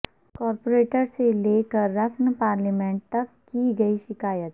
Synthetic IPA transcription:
kɔːɾpoɾeːʈəɾseleːkəɾːɐfʰnəpaːɾlimẽɳʈ̚t̪ɐkːiɡɐiʃɪkaːjət̪

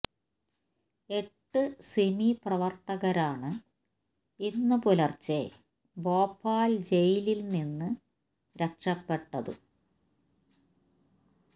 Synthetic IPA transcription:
e̞ʈːɨsemiprɐʋɐrt̪ɐɣɐɾaːɳɨ | inːɨpolɐrt͡ɕe | bo̞ːpːaːld͡ʑejililninːɨ | ɾe̞kʂɐpːe̞ʈːɐðɨ̰

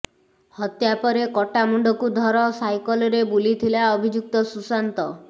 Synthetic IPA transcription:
hɔt̪japɔɾekɔʈamuɳɖɔkud̪ʱɔɾɔsajkɔlɔɾebulit̪ʰilaɔbʱid͡ʒuk̚t̪ɔsusant̪ɔ

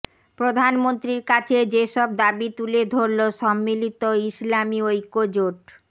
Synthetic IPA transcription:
pɾod̪ʱanmont̪ɾiɾkat͡ɕʰed͡ʑeʃɔb̚d̪abit̪uled̪ʱoɾloʃɔmːilit̪oislamiojkod͡ʑoʈ

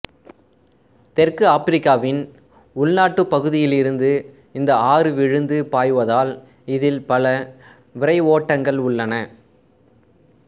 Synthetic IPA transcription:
t̪ɛrkɯaːpɪɾɪkːaːʋɪn | ʊɭnaːʈːɯpːɐɣɯðɪjɪlɪɾɯnd̪ɯ | ɪnd̪ɐaːrɯʋɪɻɯnd̪ɯpaːjʋɐðaːl | ɪðɪlpɐlɐ | ʋɪɾɐɪoːʈːɐŋɡɐɭʊɭːɐnɐ

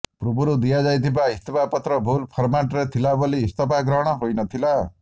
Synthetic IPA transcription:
pɾubuɾud̪ijad͡ʒajt̪ʰibaist̪ʰɔpapɔt̪ɾɔbʱulpʰɔɾmaʈɾet̪ʰilaboliːst̪ɔpaɡɾɔɦɽ̃ɔɦojnʌt̪ʰila

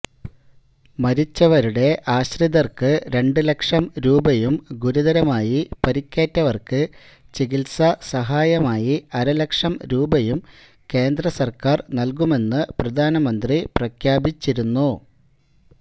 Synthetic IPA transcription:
mɐɾit͡ɕːɐʋɐɾuɽe̞ʔaːɕrid̪ɐrkɨɾe̞ɳɖɨlekʂɐmɾuːbɐjumɡuɾuðɐɾɐmaːjipɐɾikʲːeːtːɐʋɐrkɨ | t͡ɕiɡilsɐsɐɦaːjɐmaːjiɐɾɐlɐkʂɐmɾuːbɐjum | ke̞ːnd̪rɐsɐrkaːrnɐlkume̞nːɨprɐd̪ʱaːnɐmɐnd̪riprɐkʰjaːbit͡ɕːiɾunːu

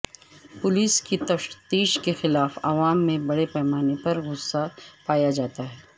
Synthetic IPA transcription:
pʊliːskit̪ɐʃt̪iːʃkexɪlaːfɐ̰ʋaːmːẽbɐɽepɛːmaːnepɐɾɣʊsːapaːjad͡ʒaːt̪aɦɛː

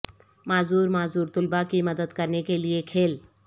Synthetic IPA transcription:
maːzuːɾmaːzuːɾt̪ʊlbakimɐd̪əd̪kɐɾnekeliekʰeːl

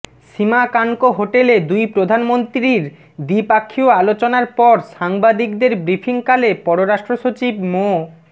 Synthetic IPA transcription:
ʃimakaŋkoɦoʈeled̪ujpɾod̪ʱanmont̪ɾiɾ | d̪ipakʰːioalot͡ɕonaɾpɔɾʃaŋbad̪ikd̪eɾbɾifʰiŋkalepɔɾoɾaʃʈɾoʃot͡ɕibmo

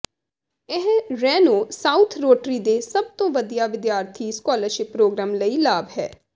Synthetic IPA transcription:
ɪɦɾɛːnoːsaːut̪ʰɾoːʈɾiːd̪eːsəb̚t̪õːʋəd̪ijaːʋɪd̪jaːɾt̪ʰiːskɔːləɾʃɪpːɾoːɡɾaːmləiːlaːbɦɛ̰ː

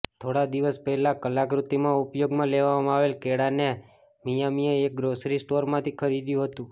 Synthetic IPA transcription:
t̪ʰoɽad̪iʋəspəɦɛlakəlakɾut̪ːimãupjoɡmãleʋamãaʋelkeɽane | mijamieːk̚ɡɾosɾisʈoɾmãt̪ʰikʰəɾid̪jũɦət̪ũ

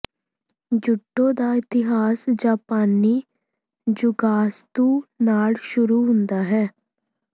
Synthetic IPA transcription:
d͡ʒʊʈːõːd̪aːɪt̪ɪɦaːsd͡ʒaːpaːniː | d͡ʒʊɡaːst̪uːnaːlʃʊɾuːɦʊnd̪aːɦɛː

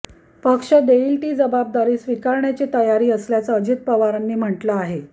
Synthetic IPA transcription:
pəkʂəd̪eiːlʈiːd͡zəbab̚d̪aɾiːsʋikaɾɳjat͡ɕet̪əjaɾiːəsljat͡saəd͡ʑit̪̚pəʋaɾanːiːm̤əʈlaːɦe

